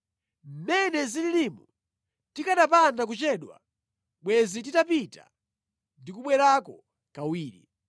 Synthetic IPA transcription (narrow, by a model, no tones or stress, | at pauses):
m̩mɛnɛzililimu | tikaɗapandak̬ut͡ʃɛːɗwa̰ | ɓwɛzititapita̰ | ndikuɓwɛɾakɔ | kawiːɾḭ